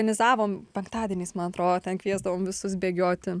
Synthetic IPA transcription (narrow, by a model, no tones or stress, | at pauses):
ɐnʲɪzɑːʋoːmpʲɛŋkt̪ɑːd̪ʲiɛnʲiːsmɐnɐt̪ɾoːd̪oːt̪ʲɛnkʋʲiɛzd̪ɐʋoːmʋʲɪsʊsbʲeːɡʲoːt̪ʲɪ